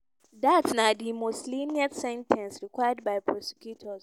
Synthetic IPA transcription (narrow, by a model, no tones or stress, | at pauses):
datnadimosliniɛtsɛ̃ntʰɛ̃nsɹikwajad̚baɪpʰɹɔsɛ̥kʰjutʰɔs